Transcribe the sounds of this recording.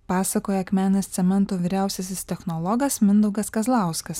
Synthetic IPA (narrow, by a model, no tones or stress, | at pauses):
pɑːsɐkoːjɛɐkmʲæːnʲɐst̪sʲɛmʲɛnˑt̪oːʋʲiːɾʲæˑʊsʲɛs̬ʲɪst̪ʲɛxnɔlˠɔɡɐsmʲɪnd̪ɐʊɡɐskɐzlˠɑˑʊskɐs